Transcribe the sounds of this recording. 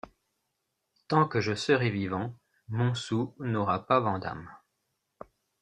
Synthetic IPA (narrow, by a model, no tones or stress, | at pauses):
t̪ɑ̃kəʒəsəʁɛvivɑ̃ | mɔ̃sunɔʁapavɑ̃d̪a̰m